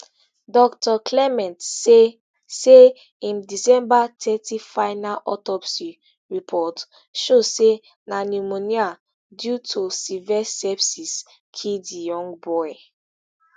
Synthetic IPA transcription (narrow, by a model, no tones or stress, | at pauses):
dɔk̚tɔkʰlɛmɛ̃nt | se | ĩndisɛ̃mbatʰɛtʰifaɪnalʔɔtɔpsi | ɹipʰɔt | ʃose | nanumonia | djutʰusivɛsɛpsis | kʰildijɔ̃ŋɡbɔɪ